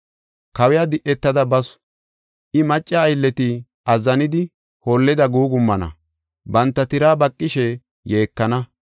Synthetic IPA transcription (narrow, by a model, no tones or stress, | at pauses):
kɐwɛjad̪ɪʔɛt̪ːɐd̪ɐbɐs | ʔɪmɐt͡ʃʼːɐːjlːɛt̪ɪ | ʔɐzːɐnɪd̪ɪ | holːɪd̪ɐɡuːɡʊmːɐnɐ̰ | bɐnt̪ːɐt̪ɪɾaːbɐkʼːɪʃɛ | je̞ːkːɐnɐ